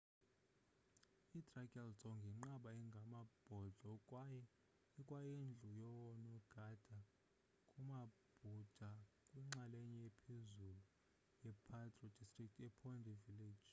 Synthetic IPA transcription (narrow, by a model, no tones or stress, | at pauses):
idʼrakʼɛlsɔŋɡʱiŋ͡ǃaɓaɛŋɡʱamab̥ʱɔɮʱɔkʼwajɛ | ikʼwajend͡ɮʱujɔwɔnɔɡ̥ʱad̥ʱa | kʼumab̥ʱud̥ʱa | kʼwiŋ͡ǁalɛɲɛjɛpʰezulu | jɛpʰatʼrɔd̥istʼrik̚tʰɛpʰɔndʱɛviled̥d͡ʒ̥